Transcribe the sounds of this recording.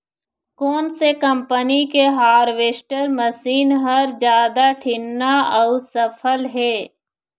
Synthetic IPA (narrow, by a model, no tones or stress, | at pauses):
koːnsekə̃mpənikeɦaːɾʋeːsʈəɾməsiːnɦəɾd͡ʒjaːd̪aʈʰɪnːaɔʊsəpʰəlɦɛː